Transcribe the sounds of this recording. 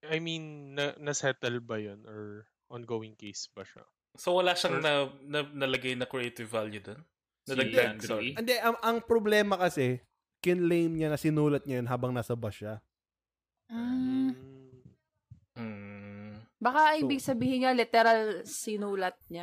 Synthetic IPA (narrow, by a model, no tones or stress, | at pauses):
ʔɐjminːɐnɐsɛt̪ɛlbɐjonɔɹ | ʔɔnɡoːwɪŋkejsbɐʃɐ̰ | sowɐlaːʃɐŋnɐnɐnɐlɐɡajnɐkɾɛejt̪ɪvːaljud̪on | ɐd̪ɐɡd̪aoɛnd̪ɛʔɐŋʔɐŋpɾoblɛːmɐkɐsɛ | kɪnlejmɲɐnɐsɪnuːlɐt̪̚ɲɐjonɦaːbɐŋnaːsɐbɐʃa | m̩ | m̩ː | bɐkaʔɪbɪɡ̚sɐbiːhɪɲɲalɪt̪ɛɾɐlsɪnuːlɐt̪̚ɲa